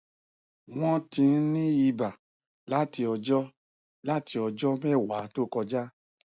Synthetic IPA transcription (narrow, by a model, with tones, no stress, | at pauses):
w̃ɔ̃˦tĩ˧˦nĩ˦i˧ba˨ | la˦ti˧ɔ˧d͡ʒɔ˦ | la˦ti˧ɔ˧d͡ʒɔ˦mɛ˦˨wa˨˦to˦˨kɔ˧d͡ʒa˦